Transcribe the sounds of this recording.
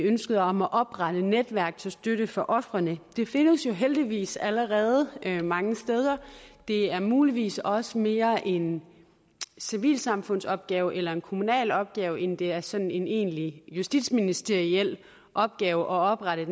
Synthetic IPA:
ønsɡ̥əð̞̩ˠɒ̽mæʔɒ̽b̥ʁɑɾ̥əned̥ʋæɐɡ̥̚t͡sʰe̝lsd̥øɾ̥əfɒ̽ʔɒ̽fʁɐnəd̥e̝fe̝nəsjo̝ɦeld̥iʋḭːsæləʁɛːð̞ˠəmɑ̈ŋəsd̥eːð̞ˠɐd̥e̝æɐmuːliʋḭːsɒ̽səme̝ːɐʔe̝n | siʋḭːlsɑ̈mfɔ̽n̰sɒ̽b̥̚ɡ̥ɛːʊʔelɐe̝nkʰo̝munɛ̰ːlɒ̽b̥̚ɡ̥ɛːʊend̥e̝æɐsɒ̽nn̩e̝ne̝̰ːnlijusd̥ḭd̥sminisd̥eɐiel̰ | ʔɒ̽b̥̚ɡ̥ɛːʊʔɒ̽ɒ̽b̥ʁɑɾ̥ə

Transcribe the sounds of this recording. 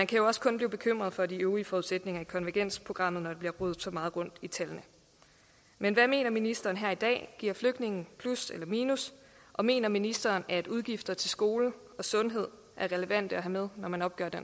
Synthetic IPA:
mænkʰæjo̝ɒ̽skʰɔ̽nb̥liːb̥e̝kʰøm̰ʁɐð̞̩ˠfɒ̽d̥iøːʊʁiəfɒːuð̩ˠsed̥ne̝ŋɐikʰɒ̽nʋæɐɡ̥en̰spʰʁo̝ɡ̥ʁɑ̈m̰ð̩ˠnɒd̥ebliɐʁuð̩ˠsɒ̽mɑ̈ːð̩ˠʁɔ̽n̰d̥it͡sʰælnə | menʋæme̝̰ːnɐminisd̥ɐːn̩ɦæɐ̰id̥ɛ̰ːɡ̥iɐ̰fløɡ̥d̥ne̝ŋn̩pʰluselɐmiːnus | ʔɒ̽me̝̰ːnɐminisd̥ɐːnæd̥uð̞ˠɡ̥ifd̥ɐt͡sʰe̝lsɡ̥o̝ːlə | ɒ̽sɔ̽nɦe̝ð̞̰ˠ | ʔæɐʁɛləʋæn̰d̥əæɦæmeð̞ˠnɒmænɒ̽b̥̚ɡ̥œɐ̰d̥en

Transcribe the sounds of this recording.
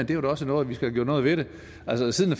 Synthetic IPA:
end̥e̝æɾæɒ̽sənɔːð̩ˠʋisɡ̥æɡ̥jɔ̰ːnɔðˠʋe̝ɾe̝ | ʔælsəsiðˠnæf

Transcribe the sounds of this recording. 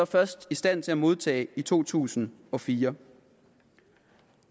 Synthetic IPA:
ɑfɶɐsd̥isd̥æn̰t͡sʰe̝æmo̝ð̞ˠt͡sʰɛ̰ːit͡sʰo̝̰ːt͡sʰṵːsn̩ɒ̽fiːɐ

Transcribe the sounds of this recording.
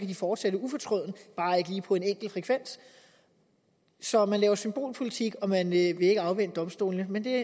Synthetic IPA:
kʰæd̥ifɒːd̥seɾəufɒ̽t͡sʰʁɔðˠnəb̥ɑ̈ːe̝ɡ̥əliːpʰɒ̽e̝neŋ̰ɡ̥l̩fʁɛkʰʋen̰s | sɒ̽mænlɛːʊɐsymb̥o̝̰ːlpʰo̝lit͡sʰiɡ̥ɒ̽mænøʋe̝e̝ɡ̥əɑ̈ʊʋen̰əd̥ɒ̽msd̥o̝̰ːlnəmend̥e̝

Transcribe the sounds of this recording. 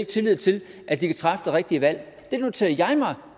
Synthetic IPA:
ɡ̥̚t͡sʰe̝lið̰ˠt͡sʰe̝lʔæd̥ikʰæt͡sʰʁɑfəd̥e̝ʁeɡ̥̚d̥iəʋæl̰ | d̥e̝no̝t͡sʰe̝ɐjɑ̈ɪmɑ̈ɪ

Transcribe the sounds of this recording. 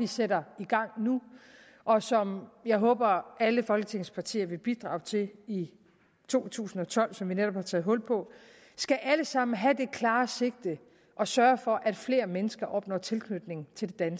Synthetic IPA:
iseɾɐiɡ̥ɑ̈ŋ̰nu | ʔɒ̽sɒ̽mjɑ̈ɪɦɔ̰̽ːb̥ɐæləfɒ̽lɡ̥ət͡sʰe̝ŋ̰spʰɑ̈t͡sʰḭːɐʋe̝b̥id̥ʁɑ̈ːʊt͡sʰe̝li | t͡sʰo̝̰ːt͡sʰṵːsn̩ɒ̽t͡sʰɒ̽l̰sɒ̽mʋineɾ̥ɒ̽b̥hɑ̈t͡sʰɛ̰ːðˠɦɔ̽l̰pʰɒ̽ | sɡ̥æʔæləsɑ̈m̰n̩ɦæd̥e̝kʰlɑ̈ːse̝ɡ̥̚d̥ə | ʔɒ̽sɶːɐfɒ̽ʔæd̥fle̝̰ːɐmenəsɡ̥ɐʔɒ̽b̥nɒt͡sʰe̝lkʰnød̥ne̝ŋn̩t͡sʰe̝ld̥e̝d̥æns

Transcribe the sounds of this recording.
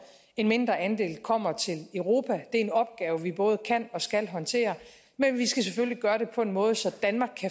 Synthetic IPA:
e̝nme̝nd̥ʁɐænd̥e̝̰ːlkʰɒ̽m̰ɐt͡sʰe̝ləʊʁo̝ːpʰæd̥e̝æenɒ̽b̥̚ɡ̥ɛːʊəʋib̥ɔ̽ːð̞̩ˠəkʰæn̰ɒ̽sɡ̥ælɦɒ̽nt͡sʰe̝̰ːɐ | menʋisɡ̥æs̬efølliɡ̥ɶːɐɾ̥e̝pʰɒ̽e̝nmɔ̽ːð̞̩ˠsɒ̽d̥ænmɑ̈ɡ̥̚kʰːæ

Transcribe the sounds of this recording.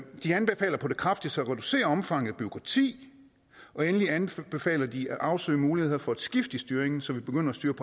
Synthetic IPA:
d̥iænb̥e̝fɛ̰ːlɐpʰɒ̽d̥e̝kʰʁɑ̈fd̥i̥sɒæʁɛd̥use̝̰ːɐɒ̽mfɑ̈ŋ̰ð̩ˠb̥yo̝kʰʁɑ̈t͡sʰḭː | ʔɒ̽enəliænb̥e̝fɛ̰ːlɐd̥iæʔɑ̈ʊsø̰ːɪmuːliheheð̰ˠfɒ̽æd̥sɡ̥ifd̥isd̥yːɐeŋn̩sɒ̽ʋib̥e̝ɡ̥øn̰ɐæsd̥yːɐpʰɒ

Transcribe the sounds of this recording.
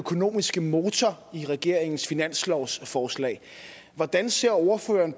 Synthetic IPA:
økʰo̝no̝̰ːmisɡ̥əmo̝ːt͡sʰɒ | iʁɛɡ̥e̝ɐ̰eŋn̩sfinæn̰slɒʊsfɒːslɛ̰ːɪ | ʋɒd̥ænse̝ɐ̰o̝ɐfø̰ːɐn

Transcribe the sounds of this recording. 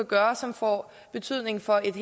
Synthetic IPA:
æɡ̥ɶːɐsɒ̽mfɒ̰ː | b̥e̝t͡sʰyð̰ˠne̝ŋfɒ̽e̝d̥ɦ

